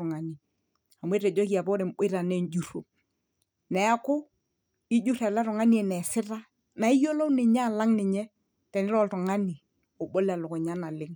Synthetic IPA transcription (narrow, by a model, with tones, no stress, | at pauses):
ŋa˨ni˨ | a˨mwe˦te˨d͡ʒo˦ki˨a˨pɔ˦ɾɪ˨mɓɪ˦ɾa˨nɛ˦nd͡ʒu˨ɾo˨ | nɛ˨a˦kʊ˦ | i˦d͡ʒu˦ɾa˨la˦ɾɔ˨ŋa˦ni˦ɛ˨nɛ˨sɪ˦ta˦ | na˨i˦jo˦lo˦nɪ˨ɲa˦˨la˦ŋnɪ˨ɲɛ˦ | tɛ˨nɪ˦lɔ˦ltɔ˨ŋa˦ni˨ | o˨ɓo˦la˨lʊ˨kɔ˨ɲa˦na˨lɪ˦ŋ